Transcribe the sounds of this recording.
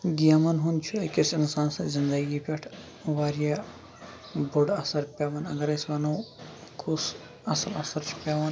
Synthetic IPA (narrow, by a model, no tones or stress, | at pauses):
ɡijɐmɐnɦunt͡ʃʰuɐkisinsaːnsɐzind̪ɐɡipʲeʈʰ | ʋaːɾja | boɖɐsɐɾpʲeːʋɐnɐ̰ɡɐɾɐsʋɐnɐwkʰus | ɐsɐlɐ̰sɐɾt͡ʃʰu̥pʲaːʋɐn